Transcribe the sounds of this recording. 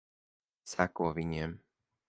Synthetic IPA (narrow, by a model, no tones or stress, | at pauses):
sakʊɔʋiɲɛm